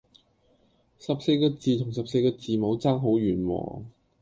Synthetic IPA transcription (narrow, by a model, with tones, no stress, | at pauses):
sɐ˨p̚se˧jkɔː˧t͡siː˨˧t̪ʰʊ˨˩ŋsɐ˨p̚se˧jkɔː˧t͡siː˨mo˨˧wt͡saː˥ŋɦo˨˥wɥyː˨˩nwɔ̰ː˨˩